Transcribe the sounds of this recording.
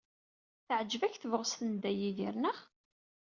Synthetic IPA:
θəʕd͡ʒːəvæçθəvʁəsθənd̪æjiðiɾnəʁ

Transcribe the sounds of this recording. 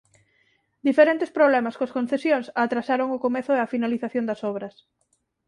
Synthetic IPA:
d̪ifeɾent̪espɾoβlɛmɐskoɐskõnθesjoŋsat̪ɾasaɾoŋʊkomeθʊeɐfinaliθaθjond̪ɐsɔβɾɐs

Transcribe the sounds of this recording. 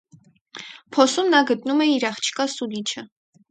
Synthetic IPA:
pʰɔsumnɑɡət̪numɛiɾɑχt͡ʃʰi̥kɑsulit͡ʃʰə

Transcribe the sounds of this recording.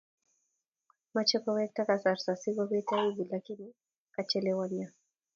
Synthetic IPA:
mat͡ʃɛkɔwɛk̚takasaɾsasiβɔβɛitaivilakini | kat͡ʃɛlɛwaɲa

